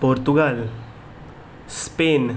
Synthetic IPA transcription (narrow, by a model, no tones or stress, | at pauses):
poɾt̪uɡal | spen